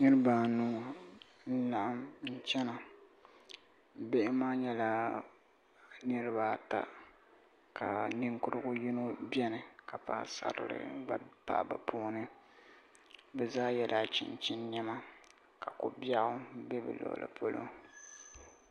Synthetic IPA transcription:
nɨ˦ɾɨ˦ba˨nu˦ | n̩˦la˨ʔa˦mn̩˦t͡ʃɛ˦na˨ | be˦ʔɪ˦maː˦ɲɛ˦la˦ | nɨ˦ɾɨ˦ba˦˨ta̰˦ | kʰa˨nɨ˦ŋkʊ˦ɾɨ˦ɡʊ˦ji˦no˦bɛ˦nɨ˨ka˨pa̰˨sa̰˦ɾɨ̰˦ɾɨ̰˨a˨pa̰˦˨ʔba˨pʰoː˦nɨ˦ | bɛ˨zaː˦jɛ˦lʔaː˨t͡ʃɪ̰˨nt͡ʃɪ˦nːɛ˦ma˦ | ka˨ko˨ba˦ɣʊ˦bɛ˦bɨ̰˨lo̰˨lʔɨ̰˨pʰo˦lo̰˦

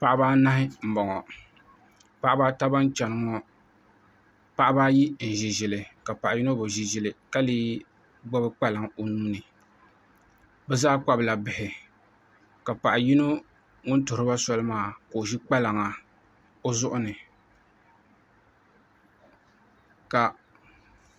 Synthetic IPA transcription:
pa˨ʔa˦baː˦na˦hɪ˦m̩˨bɔ˨ŋɔ˨ | pa˦ʔa˦baː˦ta˦ba˦n˦t͡ʃɛ˨nɨ˦ŋɔ˦ | pa˦ʔa˦baː˦ji˦n̩˨ʒi˨ʒɪ˨lɨ˨ka˨pa˨ʔji˦no˦bɨ˨ʒi˨ʒɪ˨lɨ˨ka˦liː˦ | ɡ͡ba˦bɨ˦k͡pa˦la˨ŋo˨nuː˦nɨ˨ | bɛ˦zaː˦k͡pa˦bɨ˨la˨bɪ˨hɪ˨ | ka˨pa˨ʔa˨ji˦no˦ | ŋʊ˦ntʊ˨ɾɨ˦ba˦sɔ˦lɨ˦maː˦˨ko˨ʒi˦k͡pa˦la˨ŋa˨ | o˦zʊ˦ʔʊ˦nɨ˨ | ka˨

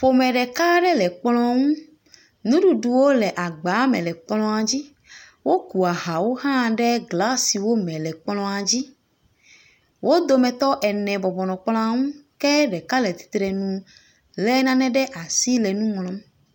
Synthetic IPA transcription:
fo˨mɛ̃˨ɖɛ˨ka˦ɖɛ˦lɛ˨k͡plɔ̃˦ŋũ˦ | nũ˦ɖu˦ɖu˨wo˦lɛ˨ʔa˨ɡ͡ba˨˦mɛ̰̃˨lɛ˨k͡plɔ̃˦a˨d͡ʑi˦ | wo˦ku˨a˨ɦa˨wo˦ɦã˦ɖɛ˦ɡla˦si˨wo˦mɛ̃˨lɛ˨k͡plɔ̃˦a˨d͡ʑi˦ | wʔo˦d̪o˦mɛ̃˨t̪ɔ˦ʔɛ˨nɛ̃˨bɔ˨bɔ˨nɔ̃˨k͡plɔ̃˦a˦˨ŋũ˦kɛ˦ɖɛ˨ka˦lɛ˨t̪i̥˨˦t̪ɾɛ˨nũ˨ | lɛ˦nã˦nɛ̃˨ɖɛ˦ʔa˨si˦lɛ˨nũ˦ŋlɔ̃˨˦m

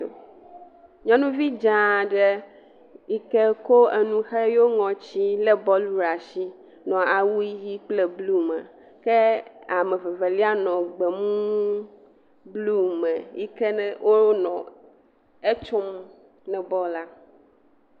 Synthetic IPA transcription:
o̰˨ | ɲɔ̃˦nũ˦vi˦d͡ʒã˦ɖɛ˦ | i˦kɛ˦ko˦e˨nũ˦xɛ˦jo˦ŋɔ̃˨t͡ɕi˦lɛ˦bɔ˦lu˦ɾa˨ʃi˦ | nɔ̃˨a˨wu˦i˦ji˦k͡plɛ˨blu˦mɛ̰̃˨ | kɛ˦a˨mɛ̃˨ve˨ve˨li˦a˦nɔ̃˨ɡ͡bɛ˨mũ˦ | blu˦mɛ̃˨i˦kɛ˦nɛ˦wʔo˦ɾo˦nɔ̃˨ | e˦t͡ʃo˦m | nɛ̃˨bɔ˦la˦

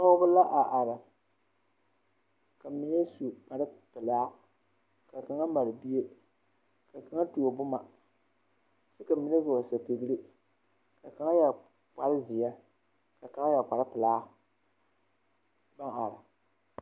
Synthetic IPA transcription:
nɔ˦bʊ˦la˦ʔa˨ʔa˨ɾa˨ | ka˨mi˨ne˦su˨k͡pa˨ɾɨ˦pɨ˨laː˦ | ka˨ka˨ŋa˦ma˨ɾɪ˨bi˦e˦ | ka˨ka˦ŋa˦tu˨o˨bʊ˦ma˨ | t͡ʃe˦ka˨mi˨ne˦ɡa˨o˨sa˨pe˨ɡɨ˦ɾi˦ | ka˨ka˨ŋa˦ja˨ | k͡pa˨ɾɪ˦zɪ˨ja˦ | ka˨ka˦ŋa˦ja˨k͡pa˨ɾɪ˦pɪ˨laː˦ | ba˦ŋa˨ɾa˨

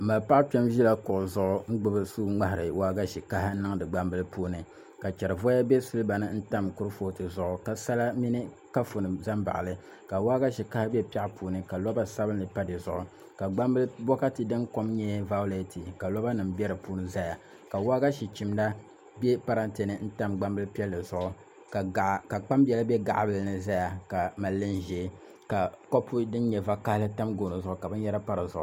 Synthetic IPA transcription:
ma˨lpa˦ʔt͡ʃɛ˦mʒi˦la˦kʊ˨ʔʊ˨zʊ˦ʔʊ˦ŋ̩˦ɡ͡bɨ˦bɨ˦suː˦ŋ͡ma˦ɦɪ˨ɾɨ˨wa˦ɡa˦ʃi˨ka˦ɦa˦nɨ˦ŋ˦dɨ˨ɡ͡ba˦mbɨ˦lɨ˦puː˦nɨ˨ | ka˨t͡ʃɛ˨ɾɨ˨vɔ˦ja˦bɛ˦sɨ˦lɨ˦ba˨nɨ˦n̩˦ta˦mkʊ˦ɾɨ˦fo˦˨tɨ˨zʊ˦ʔʊ˦ka˨sa˦la˦mi˦nɨ˦ | ka˦fu˨nɨ˨za˦mba̰˨ʔlɨ˦ | ka˨wa˦ɡa˦ʃi˨ka˦ha˦bɛ˦pa˦ʔpuː˦˨nɨ˨ka˨lɔ˦ba˦sa˦bɨ˦nːɨ˨pa˦dɨ˨zʊ˨ʔʊ˦ | ka˨ɡ͡ba˦mbɨ˦lbɔ˦ka˦tɨ˨dɨ˦nko˦mɲɛ˦va˦le˦tʰi˨ka˨lo˦ba˦nɨ˨m̩bʲɛ˦ɾɨ˨puː˦nɨ˦za˦ja˨ | ka˨waː˦ɡa˦ʃi˨t͡ʃi˨mda˦ | bɛ˦pa˦ɾa˦nte˨nɨ˦n̩˦ta˦mɡ͡ba˦mbɨ˦lpi˦ɛ˦lːɨ˨zʊ˦ʔʊ˦ | kka˨k͡pa˦mbɛ˨la˦bɛ˦ɡa̰˨ʔbɨ˨lnɨ˨za˦ja˨ka˨ma˨lːɨ˦nʒɛ˨˦ | ka˨ko˦pʰːu˦dɨ˦n˦ɲɛ˨va˦ka˦hlɨ˦ta˦mɡo˨no˨zʊ˦ʔʊ˦ka˨bɨ˦n˦jɛ˦ɾa˦pa˦ɾɨ˨zʊ˦ʔʊ˦

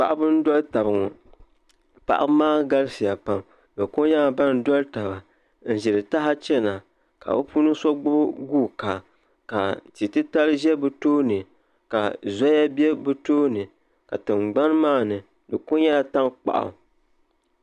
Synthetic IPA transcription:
pa̰˦˨ʔa˦bɨ˦n̩˦dɔ˦lta˨bɨ˨ŋɔ˨ | pa̰˨ʔa̰˦maː˦ɡa˦lsi˨ja˨pa˦m | bɛ˨kʊ˦ɲa˦a˨ba˦n̩˦dɔ˦lta˨ba˨ | n̩˨ʒɛ˨ɾɨ˨ta˦ɦa˦t͡ʃɛ˦na˨ | ka̰˨bɛ˦pu˦nɨ˦sɔ˦ɡ͡bʊ˦bɡuː˦˨ka˨ | ka˨ti˨tɨ˦ta˦lɨ˦ʒɛ˦bɨ˦toː˦nɨ˨ | ka˨za˦ja˦bɛ˦bɨ˦toː˦nɨ˨ | ka̰˨tɨ˨ŋ͡mɡ͡ba˦n˦maː˦˨nɨ˨ | dɨ˨kʊ˦ɲa˦a˨ta˦ŋk͡pa̰˨ʔa̰˨

